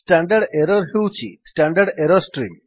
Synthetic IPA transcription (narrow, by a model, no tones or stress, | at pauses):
sʈaɳɖaɽeɾɔɾɦewt͡ʃʰḭsʈaɳɖaɽeɾɔsʈɾim